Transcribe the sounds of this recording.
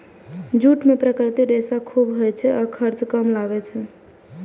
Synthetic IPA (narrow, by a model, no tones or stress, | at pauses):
d͡ʒuʈmepɾəkɾt̪iɾesakʰubɦojt͡ʃʰɛʔakʰəɾt͡ʃkəmlaɡɛt͡ʃʰɛ